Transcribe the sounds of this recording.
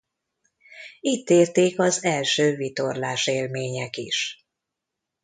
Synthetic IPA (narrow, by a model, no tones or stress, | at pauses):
it̪ːeːrt̪eːkɒzɛlʃøːvit̪orlaːʃeːlmeːɲɛkiʃ